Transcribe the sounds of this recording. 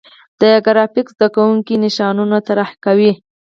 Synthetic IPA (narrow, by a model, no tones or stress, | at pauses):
d̪̥əɡaɾɑfɪkzd̪akawuŋkinɪʃɑnunat̪aɾahkawi